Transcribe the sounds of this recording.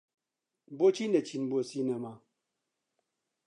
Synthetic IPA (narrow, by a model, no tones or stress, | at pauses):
bot͡ʃinət͡ʃinbosinɛma